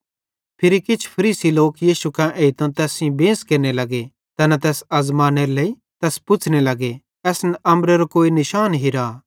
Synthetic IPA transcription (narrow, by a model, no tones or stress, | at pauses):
pʰɪɾikɪt͡ʃʰpʰɐɾiːsiloːkjiːʃukãʔeːit̪õt̪ɛːsĩbẽːskeɾnelɐɡe | t̪ɐnɛt̪̬ɛːsɐzmaːneɾlei | t̪ɛːspʊt͡ʃʰnelɐɡe | ɛːsnɛʔɐmɾeɾokoːinɪʃaːnɦiɾaː